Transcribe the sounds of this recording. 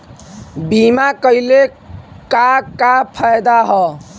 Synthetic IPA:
bimakəile | kakapʰajd̪aɦɔ

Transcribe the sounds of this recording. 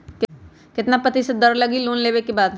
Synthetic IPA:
k | kɪt̪napət̪ised̪ɐɾlɐɡiloːnleːbekebaːd̪

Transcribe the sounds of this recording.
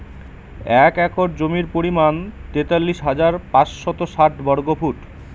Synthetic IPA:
ɛkɛkoɾd͡ʑomiɾpoɾimant̪et̪alːiʃɦad͡ʑaɾpasʃɔt̪oʃaʈ̚bɔɾɡopuʈ

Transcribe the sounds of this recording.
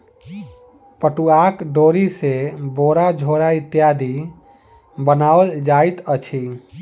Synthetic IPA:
pəʈuakɖoɾiseboɾad͡ʒʱoɾait̪jad̪ʱi | bənaəld͡ʒait̪ət͡ʃʰi

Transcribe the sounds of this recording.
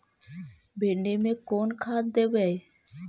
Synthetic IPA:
beɳɖemekonkʰat̪d̪ebej

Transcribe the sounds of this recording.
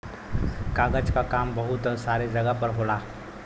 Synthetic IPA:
kaːɡət͡ʃkakaːmbɐɦʊt̪saːɾed͡ʒɐɡəpɐɾɦoːlaː

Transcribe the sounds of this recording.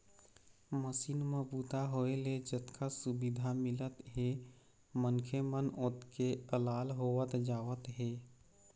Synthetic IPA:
məsiːnməbuːt̪aɦoeled͡ʒət̪kʰasubid̪ʱamɪlət̪ɦe | mənkʰemənʊt̪keəlaːlɦowət̪d͡ʒaːʋət̪ɦeː

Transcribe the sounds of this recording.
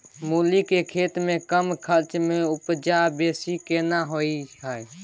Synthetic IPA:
mulikekʰeːt̪mẽkəmkʰəɾt͡ʃmẽupd͡ʒabeːsikenaɦoiɦəj

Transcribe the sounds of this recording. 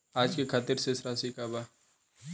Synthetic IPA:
aːd͡ʒkekʰaːt̪ɪɾsesɾaːsikaːba

